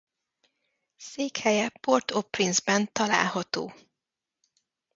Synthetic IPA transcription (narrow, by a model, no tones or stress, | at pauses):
seːkhɛjɛport̪opːrinzbɛnt̪ɒla̰ːlɦɒt̪oː